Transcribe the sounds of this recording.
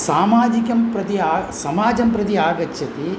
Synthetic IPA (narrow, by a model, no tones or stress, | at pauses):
saːmaːd͡ʒikɐmpɾɐt̪iaːsɐmaːd͡ʒɐmpɾɐd̪iaːɡɐt͡ʃːɐt̪i